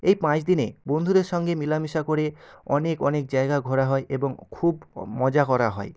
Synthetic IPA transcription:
ejpãt͡ɕd̪inebond̪ʱuɾeɾʃɔŋɡemilamiʃakoɾeɔnekɔnek̚d͡ʑaeɡaɡʱɔɾaɦɔeʔeboŋkʰubmɔd͡ʑakɔɾa̰ɦɔ̰e

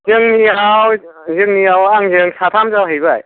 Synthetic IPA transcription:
zɯŋniaw | zɯŋniawaŋzɯŋsat̪ʰamzawɦejbaj

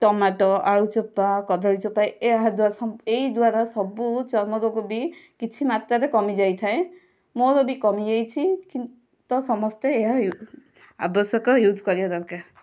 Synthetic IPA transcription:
ʈɔmaʈɔʔaɭut͡ʃɔpːakɔd̪ʱaɽit͡ʃɔpajeɦad̪wasɔeid̪waɾasɔbut͡ʃɔɾmɔɡɔɡobikit͡ʃʰimat̪ɾaɾekɔmid͡ʒajt̪ʰaẽ | moɾobikɔmiejt͡ʃʰikin | t̪ɔsɔmɔst̪eːɦaju | a̰bɔsjɔkɔjud̪ʱkɔɾibad̪ɔɾka

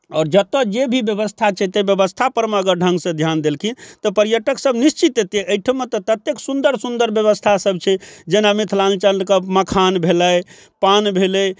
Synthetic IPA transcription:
ɔːɾd͡ʒət̪əd͡ʒebʱibjəbəst̪ʰat͡ʃʰɛt̪ebjəbəst̪ʰapəɾməɡəɾɖʱə̃ŋɡsə̃d̪ʱjand̪elkʰĩt̪ɔpəɾjəʈəksəbnist͡ʃit̪et̪eʔəjʈʰəmet̪ɔt̪ət̪ːjeksund̪əɾsund̪əɾbjəβəst̪ʰasəb̚t͡ʃʰɛd͡ʒenamit̪ʰlant͡ʃəlkəməkʰanbʱeləj | panbʱelɛ

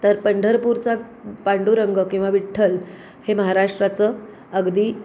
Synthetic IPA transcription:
t̪əɾpəɳɖʱəɾpuɾt͡sa | paɳɖuɾəŋɡəkĩw̃ʋaʋiʈʰːəl | heməɦaɾaʂʈɾat͡səː | əɡd̪iː

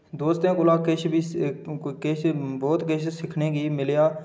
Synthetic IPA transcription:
d̪oːst̪ẽːkʊlaːkeʃbiː | ket͡ʃbɔːt̪ket͡ʃʰsɪkʰneːkiːmɪljaː

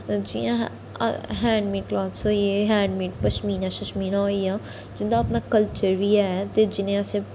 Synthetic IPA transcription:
d͡ʒɪjã̰ː | ɦɛ̃ːɳɖmiːʈklɔːt̪soːieɦɛ̃ːɳɖmiːʈ̚pəʃmiːnãʃəʃmiːnãɦoijãː | d͡ʒɪnd̪aːpnaːkəlt͡ʃəɾʋijaɛːt̪ed͡ʒɪnẽəsẽ

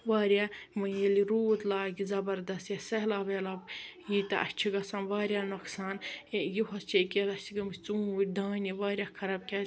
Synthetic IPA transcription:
ʋaːɾjamɐjeliɾuːt̪laːɡizɐbɐɾd̪ɐst̪jɐsɐɦlaːbelɐbjiːt̪ɐʔɐ̰t͡ʃʰiɡɐsãːnʋaːɾʲjaːnɐksaːnjiɦɐst͡ʃʰeket̪ɐsiɡɐmist͡sũːʋuɾʲd̪aːniʋaːɾjakʰɐɾab̚kʲa

